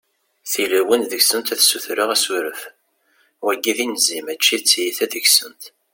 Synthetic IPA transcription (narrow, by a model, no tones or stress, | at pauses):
θilæwənðəçsənt̪æθsuθɾəʁæsuɾəf | wæɡːiðinzimæt͡ʃːit͡sːjiθæðəçsənt̪